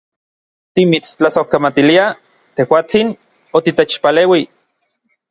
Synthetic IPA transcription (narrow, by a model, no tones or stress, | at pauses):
t̪imit͡st͡ɬasohkamat̪ilia | t̪ehwaːt͡sin | ot̪it̪et͡ʃpaleːwi